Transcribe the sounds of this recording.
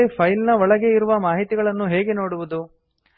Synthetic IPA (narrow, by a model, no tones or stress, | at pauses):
epʰɐjlnɐɔɭɐɡe̞iɾuʋɐmaːɦit̪iɡɐɭɐnːuɦeːɡe̞no̞ːɽuʋud̪u